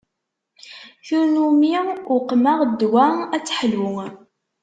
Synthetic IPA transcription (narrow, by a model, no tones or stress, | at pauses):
θunumiʊqːmaʁd̪ːwææt͡sːħlwʊ